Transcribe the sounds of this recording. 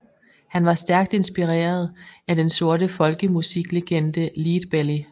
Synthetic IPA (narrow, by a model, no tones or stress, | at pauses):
hænʋɑ̈sd̥æɐɡ̥̚d̥e̝nsb̥iʁḛːɐð̞ˠæd̥enso̝ɐɾəfɒ̽lɡ̥əmusiɡ̥le̝ɡ̥end̥əliːd̥b̥eli